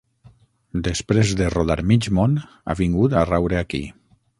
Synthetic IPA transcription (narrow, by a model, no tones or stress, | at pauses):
d̪espɾezðeroðaɾmid͡ʒmon | a̰βiŋɡut̪arawɾeakḭ